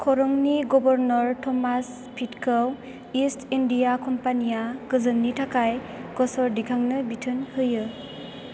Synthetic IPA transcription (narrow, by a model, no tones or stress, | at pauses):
kʰɔɾɔŋniɡɔbɔɾnɔɾtʰɔmas | pʰitkʰɯw | istindijakɔmpanijaɡɯzɯnːitʰakaj | ɡɔsɔɾdikʰaŋnɯbitʰɯnhɯjɯ